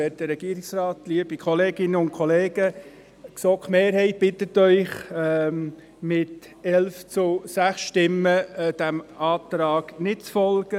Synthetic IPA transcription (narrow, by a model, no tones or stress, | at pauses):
ɛːt̚dəɾɛɡ̥iəɾɪksrɑːt̪liəb̥ikʰɔleːɡɪnəʊntkʰɔleːɡ̥ə | ksɔkχmeːɾɦɛɪt̚b̥ɪt̪ətːœʏχ | mɪt | ɛlft͡sʊsæχsʃtɪmːəd̥æmɑːt̪ɾɑːɡ̥nɪtt͡sfɔlɡ̥ə